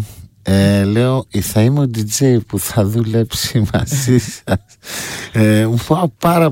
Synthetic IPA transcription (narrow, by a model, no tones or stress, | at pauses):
eleoiθɐimeod̪id͡ʒejpuθɐðule̞psimɐ̰zisɐsemufɐopɐɾɐ